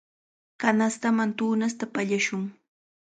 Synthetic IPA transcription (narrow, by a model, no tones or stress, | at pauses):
kanast̪amant̪uːnast̪apaʎaʃʊŋ